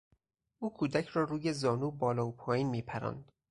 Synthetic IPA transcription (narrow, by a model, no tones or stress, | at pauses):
ʔuːkʰuːd̪æcʰɾɒːɾuːjezɒːnuːbɒːlɒːopʰɒːjiːnmiːpʰæɾæ̰ːnd̪̥